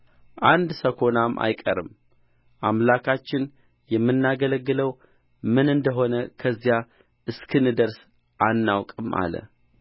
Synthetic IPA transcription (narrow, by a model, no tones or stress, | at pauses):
ʔand̪səkʰo̞namːʔa̰jkʼəɾɨ̰m | ʔamlakʰat͡ʃːɪn | jɛmːɨnːaɡələɡːɨləw | mɨnɨnd̪əɦo̞nəkʰəzːija | ʔɨskʰɨnɨd̪əɾs | ʔanːawkʼɨmʔa̰lə̰